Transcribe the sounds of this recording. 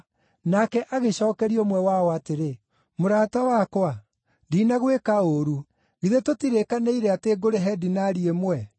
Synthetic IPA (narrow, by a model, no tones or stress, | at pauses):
nakɛʔaɣeɕɔːkɛɾiomwɛwaɔateɾe | moɾaːtawakwa | diːnaɣwekaoɾu | ɣiðetotiɾekaneiɾɛateːɡoɾeɦɛdinaɾiemwɛ